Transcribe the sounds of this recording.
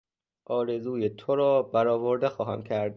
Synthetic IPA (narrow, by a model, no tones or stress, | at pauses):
ʔɒːɾe̞zuːjet̪ʰoɾɒːbæɾɒːvo̞ɾd̪e̞xɒːɦæmcʰæɾd̪̚